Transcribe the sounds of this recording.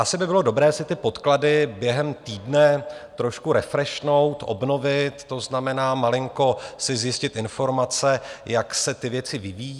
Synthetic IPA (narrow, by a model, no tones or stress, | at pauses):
ʔasɪbɪbɪlo̞do̞bɾɛːsɪt̪ɪpo̞t̪kladɪbjɛɦɛmt̪iːdnɛt̪ɾo̞ʃkuɾɛfɾɛʃno̞wt̪ʔo̰bno̞vɪt̪ːo̞znamɛnaːmalɪŋko̞sɪzjɪscɪt̪ɪnfo̞ɾmat͡sɛjaksɛt̪ɪvjɛt͡sɪvɪviji